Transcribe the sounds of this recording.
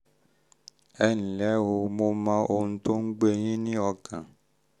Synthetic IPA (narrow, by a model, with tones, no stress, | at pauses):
ɛ˦ñ̩˨lɛ˨˦wo˧mo˦mã˦ʔo˧nũ˦t̪o˦ŋ̩˦ɡ͡be˦ɲĩ˦nĩ˦ɔ˧kã̰˨